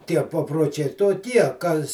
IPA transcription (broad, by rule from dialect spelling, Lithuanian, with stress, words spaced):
ˈtʲiɛ pɐproːˈt͡ʃʲɛɪ toːˈkʲiɛ ˈkɐs